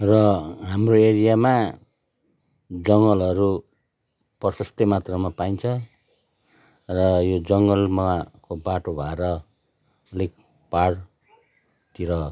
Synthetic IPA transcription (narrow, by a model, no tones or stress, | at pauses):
rʌɦamroeɾijama | d͡zʌŋɡʌlʌɾu | pʌsʌst̪emat̪rʌmapaint͡sʰʌ | rʌjod͡zʌŋɡʌlmakobaʈobʱʌeɾʌ | ʌlik | paɽ | t̪iɾʌ